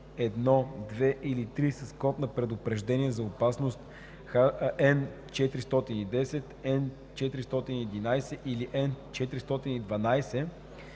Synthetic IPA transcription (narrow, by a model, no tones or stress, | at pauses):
ɛd̪nɔd̪vɛʔilit̪ɾisɐskɔp̪nɐpɾɛd̪ʊpɾɛʒd̪ɛniɛzɐopasnost̪ | xaɛn | t͡ʃɛt̪ɾist̪ɔt̪inid̪ɛsɛt̪ɛn | t͡ʃɛt̪ɾist̪ɔt̪iniːd̪inajsɛʔiliʔɛnt͡ʃɛt̪ɾist̪ɔt̪inid̪vɐnajsɛ